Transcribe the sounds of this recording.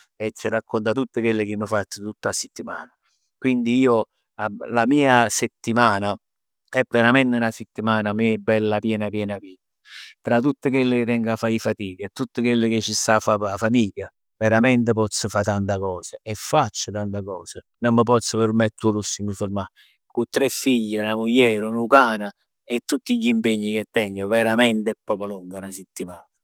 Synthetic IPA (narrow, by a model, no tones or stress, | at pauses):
ɛt͡ʃːirakːont̪at̪ut̪ːəkwelːɪk̟ɪmːəfat̪ːət̪ut̪ːaset̪ːimaːna | kwind̪iiːo | alamiːaset̪ːimaːna | ɛpːɛɾamɛnt̪ɪnaset̪ːimaːnamebːɛlːapjɛːnapjɛːnapiː | t̪ɾat̪ːut̪ːəkwelːɪkɪt̪ɛŋɡafːaifat̪iːkət̪ːut̪ːəkwelːɪk̟ɪt͡ʃːist̪afːapafamiːʎːa | vɛɾamɛnt̪̬ɪp̬ɔt̪sːəfat̪ant̪akɔːsaɛfːat͡ʃːət̪ant̪akɔːsa | nɔmːəp̬ɔt̪sːəpɪɾmɛt̪ːulusːiŋufoɾma | kut̪ːɾɛfːiʎːɪnamujːɛːɾunukaːna | ɛt̪ːut̪ːiʎːimpeɲːik̟et̪ːɛŋɡəvɛɾamɛnt̪ɛpːɾɔːpoluŋɡanasɪt̪ːimaːna